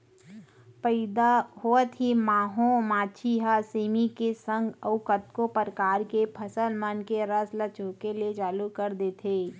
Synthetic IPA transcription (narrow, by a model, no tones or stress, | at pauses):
pəɪd̪aɦoət̪ɦimaːɦõmaːt͡ʃʰiɦaseːmikesə̃ŋɡəʋʊkət̪kopəɾəkaːɾkepʰəsəlmənkeɾəslət͡ʃoːkeliet͡ʃaːlukəɾd̪eːt̪ʰeː